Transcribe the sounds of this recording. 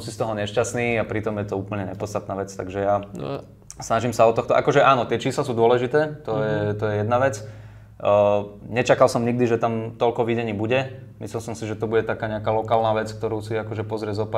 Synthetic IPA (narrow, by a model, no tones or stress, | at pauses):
msist̪ɔɦɔɲɛʃcasniːapɾit̪ɔmjɛt̪ɔuːpl̩ɲɛɲɛpɔt͡st̪at̪naːʋɛt͡st̪aɡʒɛja | snaʒimsaɔt̪ɔxt̪ɔʔa̰kɔʒɛʔaːnɔt̪ɪɛt͡ʃiːslasuːd̪ʊɔlɛʒit̪ɛːt̪ɔjɛt̪ɔjɛjɛd̪naʋɛt͡sː | ɲɛt͡ʃakalsɔmɲiɡ̚d̪iʒɛt̪amt̪ɔlkɔʋiɟɛɲiːbuɟɛ | mḭslilmsɔmsiʒɛt̪ɔbuɟɛt̪akaːɲɛakaːlɔkaːlnaʋɛt͡sk̚t̪ɔɾuːsiakɔʒɛpɔzɾɪɛzɔpa